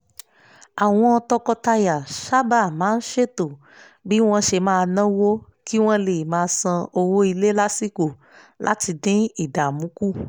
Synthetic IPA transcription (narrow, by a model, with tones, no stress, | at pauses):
a˨w̃ɔ̃˧ɔ˧tɔ˧kɔ˧ta˧ja˨ʃa˦ba˦˨mãː˨˦n̩˦ʃe˦˨to˨ | bi˦w̃ɔ̃˧ʃe˧mãː˧nã˦wo˦ | ki˦w̃ɔ̃˦le˨mãː˧˦sã˧o˧wo˦i˧le˦la˦si˦ko˨ | la̰˦ti˧dĩ˦i˨da˨mũ˨˦ku˦